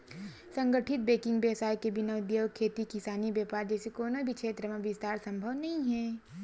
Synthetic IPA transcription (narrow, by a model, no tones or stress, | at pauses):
sɐ̃ŋɡəʈʰɪt̪̚beːkɪ̃ŋɡbjɛːsaːjkebɪnɐʊd̪jowkʰːeːt̪ikɪsaːnibjɛːpaːɾd͡ʒɛːsekoːnoibʱikʃeːt̪ɾəmẽʋɪst̪aːɾsɐ̃mbʱəʋnɐɦĩɦɛː